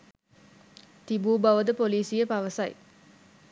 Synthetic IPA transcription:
t̪ibuːbaʋəd̪əpoliːsijəpaʋəsaj

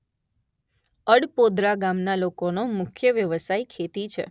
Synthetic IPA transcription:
əɽpod̪ɾaɡamnalokonomʊkʰjəʋjəʋəsaikʰet̪it͡ʃʰḛ

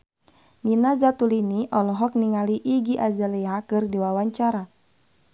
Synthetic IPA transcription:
ninazat̪uliniʔɔlɔɦɔk̚niŋaliʔiɡiʔazaliakɨrdiwawaɲt͡ʃaɾa

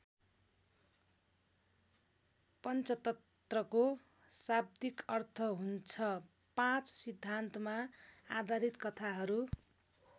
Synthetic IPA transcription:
pʌnt͡sʌt̪ʌ | t̪rʌko | sab̚d̪ikʌrt̪ʰʌɦunt͡sʰʌ | pãt͡ssid̪ʱːant̪ʌmaad̪ʱaɾit̪kʌt̪ʰaɦʌɾu

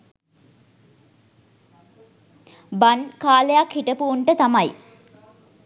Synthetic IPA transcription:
bankaːlejakhiʈəpuːɳʈət̪amaj

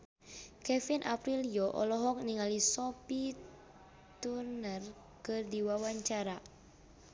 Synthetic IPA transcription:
kɛfinʔapɾilijɔʔɔ̰lɔɦɔk̚niŋalisɔpi | t̪unər | kɨrdiwawaɲt͡ʃaɾa

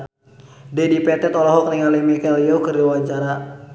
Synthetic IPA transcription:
dɛdipɛt̪ɛt̪ɔlɔɦɔk̚niŋalimikɛlijɔkɨrdiwaɲt͡ʃaɾa

